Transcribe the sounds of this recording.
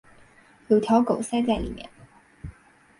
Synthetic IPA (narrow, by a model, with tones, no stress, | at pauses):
jo˨˩t̪ʰjɑ˨˥wko˨˩wsɛː˥t͡sɛ˥˩lḭ˨˩mjɛ̰˨˩˦n